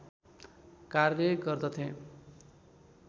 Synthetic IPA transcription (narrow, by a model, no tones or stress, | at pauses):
karːeɡʌrd̪ʌt̪ʰẽ